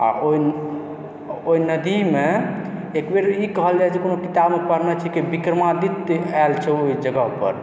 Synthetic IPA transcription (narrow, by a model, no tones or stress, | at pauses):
a̰ʔoi | oinəd̪imeekbeɾikəɦəld͡ʒaet͡ʃʰekonokit̪abmepəɾnat͡ʃʰikibikɾəmad̪it̪alt͡ʃʰɛoid͡ʒəɡəɦupə̰ɾ